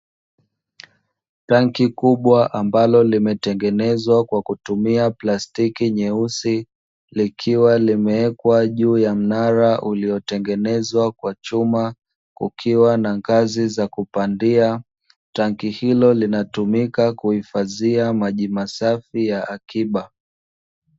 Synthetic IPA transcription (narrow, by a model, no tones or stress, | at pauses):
taŋkikuɓwaʔambalɔlimɛtɛŋɡɛnɛzwakwakutumiaplastikiɲɛusi | likʰiwalimɛɛkwaʄuːjam̩naɾaʔuliɔtɛŋɡɛnɛzwakwat͡ʃuma | kṵkʰiwanaŋɡazizakupandia | taŋkihilɔlinatumikakuhifaziamaʄimasafijaʔːkiɓa